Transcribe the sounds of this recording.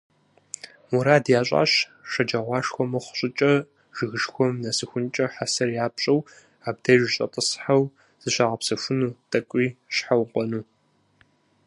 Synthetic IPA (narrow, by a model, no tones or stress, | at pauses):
muɾaːdjaːɕʼa̰ːɕ | ʃɐd͡ʒɐʁʷɑːʂxʷɔmɐχʷɕʼɪt͡ʃʼɐ | ʒ̥ɨɣɨʃxʷɔmnɐsɨxʷʊnt͡ʃʼɐħasɐrjaːpɕʼɐw | aːb̚dɐʒɕʼɐ̰tʼəsħaw | z̥ɨɕaːʁɐpsɐfʷʊnuːtʼɐkʷʼiːɕħawqʷʼɔnuː